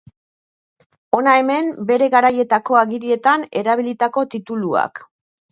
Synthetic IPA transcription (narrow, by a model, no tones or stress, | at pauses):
o̞nae̞me̞mbe̞ɾe̞ɣaɾaje̞t̪ako̞aɣiɾie̞t̪ane̞ɾaβ̞ilit̪ako̞t̪it̪ulua̰k